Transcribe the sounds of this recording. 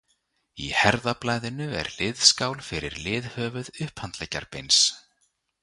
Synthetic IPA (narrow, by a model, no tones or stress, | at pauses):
ḭhɛɾðaplaːjðɪnʏɛ̰ɾlɪðskaːwlfɪɾɪ̰ɾlɪːðhœːvʏðʏhphant̪lɛca̰ɾpejns